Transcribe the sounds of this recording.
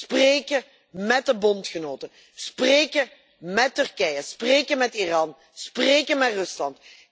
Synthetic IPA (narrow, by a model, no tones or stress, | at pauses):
spreːkə | mɛt̚dəbɔntxənoːtə | spreːkə | mɛtːʏrkɛjəspreːkəmɛtirɑːn | spreːkəmɛtrɵslɑnt